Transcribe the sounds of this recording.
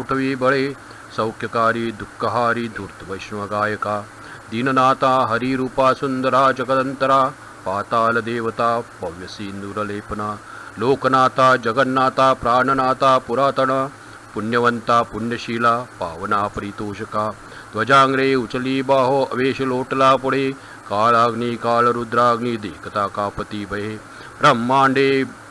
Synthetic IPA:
ʈʰɐʋiːbɐɭeː | sɐwkʰjɐkaːɾiːd̪ukːɐɦaːɾid̪ʱuɾt̪ʰʋɐjʃnɐʋɐɡaːjɐkaː | d̪inɐnaːt̪aːɦɐɾiɾuːpaːsund̪ɐɾaːd͡ʒɐɡɐt̪ɐnt̪ɐɾaː | paːt̪aːlɐd̪eːʋɐt̪aːpɐʋjɐsiːnd̪uːɾɐleːpɐnaː | loːkɐnaːt̪aːd͡ʒɐɡɐnnaːt̪aːpɾaːɳɐnaːt̪aːpuɾaːt̪ɐɳaː | puɳjɐʋɐnt̪aːpuɳjɐʃiːlaːpa̰ːʋɐnaːpɐɾit̪oːʃɐkaː | d̪ʋɐd͡ʒaːŋɡɾeːut͡ʃɐliːbaːɦoɐ̰ʋeːʃɐloːʈɐlaːpoɽeː | kaːɭaːɡniːkaːlɐɾud̪ɾaːɡɳiːd̪eːkɐt̪aːkaːpɐt̪iːbɐjeː | bɾɐmːaːɳɖeː

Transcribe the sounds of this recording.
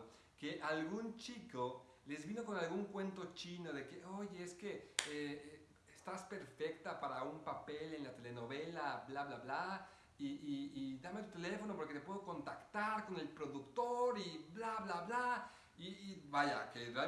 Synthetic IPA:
ke̞ʔalɣunt͡ʃiko | le̞zβino̞ko̞nalɣuŋkwe̞nt̪o̞t͡ʃino̞ðe̞keʔoʝeeske̞ee | est̪aspe̞ɾfe̞k̚t̪apaɾaumpape̞le̞nlat̪e̞le̞no̞βe̞lablaβlaβla | iːðamet̪ut̪ele̞fo̞nopo̞ɾke̞t̪epwe̞ðoko̞nt̪akt̪aɾko̞ne̞lpɾo̞ðukt̪oɾiblaβlaβla | ibaʝa̰kerea

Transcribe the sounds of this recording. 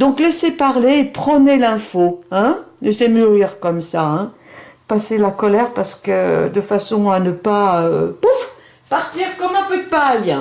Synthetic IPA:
d̪ɔ̃klɛsepaʁleːpχənelɛ̃foɛ̃lɛsemyʁiʁkɔmsaɛ̃ | paselakɔlɛʁpaʁsə̥kəd̪əfasɔ̃anəpaøpuf | paʁt̪iʁkɔmɑ̃føt̪̚pajɛ̃

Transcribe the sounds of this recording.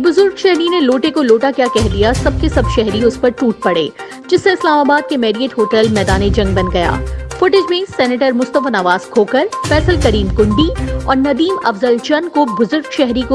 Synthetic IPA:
bʊzʊɾɡʃɛɦɾineloːʈekoloːʈakjaːkɛɦd̪ijasɐb̚kesɐbʃɛɦɾiʊspɐɾʈuːʈ̚pɐɽḛː | d͡ʒɪsːeɪslaːmaːbaːd̪̚kemɛːɖieːʈɦoːʈɛːlmɛːd̪aːned͡ʒɐ̃ŋɡ̚bɐ̃nɡɐja̰ːfʊʈɪd͡ʒmẽsɛːneʈəɾmʊst̪əfnɐʋaːzkʰoːkəɾfɛːsəlkɐɾiːmkʊ̃ɳɖiɔ̰ːɾnɐd̪iːmɐfzəlt͡ʃɐnkobʊzʊɾɡʃɛɦɾiko

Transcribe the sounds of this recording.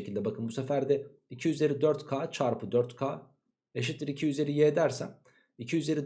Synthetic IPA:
cʰilʲd̪ɛbakʰɯnbusefæɾd̪ɛ | icʰiyze̞ɾid̪øɾt̪kʰaːt͡ʃʰaɾpʰɯd̪øɾt̪kʰaː | eʃ̬it̪lʲiɾicʰiyze̞ɾijeːd̪æɾsæm | icʰiyze̞ɾid̪

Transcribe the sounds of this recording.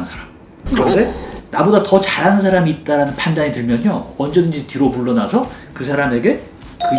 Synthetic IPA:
nsʰaɾam | kɯɾʌndenabodatʌt͡ɕaɾɦanɯnsʰaɾamiːt̚t͈aɾanɯnpʰandaɲitɯɭmjʌɲowʌnd͡ʑʌdɯnd͡ʑitiɾopuɭːʌnasʰʌ | kɯsʰaɾame̞ɡe̞ | kɯ

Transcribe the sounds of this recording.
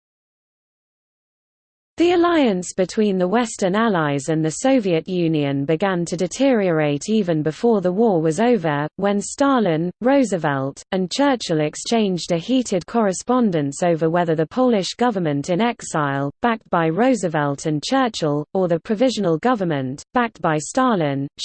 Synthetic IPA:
ðiəlaɪə̃nsb̥ɪtʰw̥ĩːnðəwɛstənalaɪzə̃nðəsəʊviəʔjʉ̃ːniə̃nbɪɡãntʰədɪtʰɪɹiəɹeɪtʰiːvə̃nbɪfɔːðəwɔːwɒzəʊvəwə̃nstɑːlɪ̃nɹəʊzəvɛlˠtə̃nt͡ʃʰɜˑt͡ʃəlɛkst͡ʃʰẽɪ̃nd͡ʒdəhiˑtʰɪd̚kʰɒɹɪspɑ̃ndə̃nsəʊvəwɛðəðəpʰəʊlɪʃɡ̥ʌvəmə̃ntʰɪ̃nɛksaɪlˠb̥ak̚t̚b̥aɪɹəʊzəvɛlˠtʰə̃nt͡ʃʰɜˑt͡ʃəlˠəðəpʰɹ̥əvɪʒənəlˠɡʌvəmə̃nb̥ak̚tb̥aɪstɑːlɪ̃n

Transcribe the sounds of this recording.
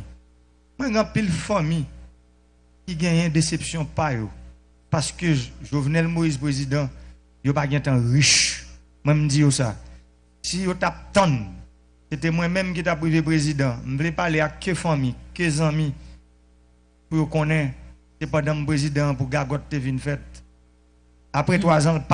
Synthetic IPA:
mwɛ̃ɡ̃ãpilfãmĩ | kiɡɛ̃jɛ̃d̪esepsjɔ̃pajo | paskøʒovnɛlmoizpʁezid̪ã | jopaɡɛ̃t̪ãʁiʃ | mwɛ̃m̩d͡zijosa | sijotap̚t̪ãn | set̬ɛmwɛ̃mɛ̃mk̬it̪̬apɣivep̬ɣezid̪ãm̩vlɛpaleakːɛfãmĩkɛzãmĩ | pujokɔ̃nɛ̃ | sepãdãm̩̃pɣezid̪ãpuɡaɡɔtːevinfɛt̪̚ | apɣɛt̪wazãlp

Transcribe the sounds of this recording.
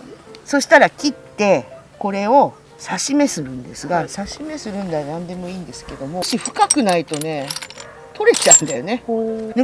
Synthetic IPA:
so̞ɕi̥t̪aɾakʲit̪ːe̞ | ko̞ɾe̞o̞ | saɕime̞sɨɾɯ̟̃nd̪e̞sɨɡasaɕime̞sɨɾɯ̟̃nd̪anãnd̪e̞mo̞iːnd̪e̞sɨ̥ke̞d̪o̞mo̞ɕiɸɯ̟̥kakɯ̟nait̪o̞ne̞ | t̪ʰo̞ɾe̞t͡ɕaɯ̟̃nd̪ajo̞ne̞ne

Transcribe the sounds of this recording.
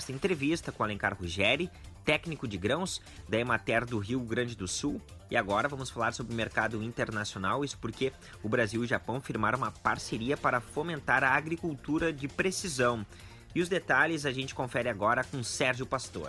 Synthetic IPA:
st̪ɐẽnt̪ɾevist̪ɐkõalẽŋkaɾhuʒɛɾɪ | t̪ɛknikʊd͡ʒɪɡɾɐ̃w̃s | d̪aemat̪ɛɾd̪ʊɦiwɡɾɐ̃d͡ʒɪd̪ʊsuwɪaɡɔɾɐvɐ̃mʊsfalaɾsobɾɪʊmeɾkad̪ʊĩt̪eɾnasionawisʊ̥poɾke | ʊbɾaziwɪʒapɐ̃w̃fiɾmaɾ̃ũmɐpaɾseɾiɐpaɾɐfomẽnt̪aɾɐːɡɾikuwt̪uɾɐd͡ʒɪpɾesizɐ̃w̃ | ɪʊzd̪et̪aʎɪzaʒẽnt͡ʃɪ̥kõfɛɾɪaɡɔɾɐkõsɛɾʒʊpast̪o̰ɾ

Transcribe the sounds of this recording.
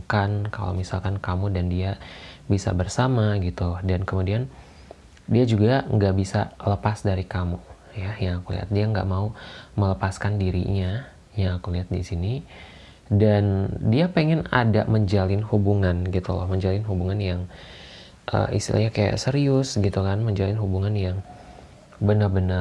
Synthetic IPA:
kanka̰lo̰misalkankamudandiabisa̰bərsamaɡit̪ulɔhdankəmudian | diad͡ʒuɡaŋɡaʔbisa̰ləpasdaɾikamu | jajaŋakulḭɦa̰t̪̚diaəŋɡa̰ʔmaumələpaskandiɾḭɲa | jaŋakuliɦat̪̚disini | dandiapeŋɛnada̰ʔməɲd͡ʒalɪnhubuŋanɡit̪ulɔ̰hməɲd͡ʒalɪnɦubuŋanjaŋ | ʔə̰ḭst̪ḭlʔa̰hɲakaja̰ʔsəɾiʊsɡit̪ukanməɲd͡ʒalɪnɦubuŋanjaŋ | bənərbənər

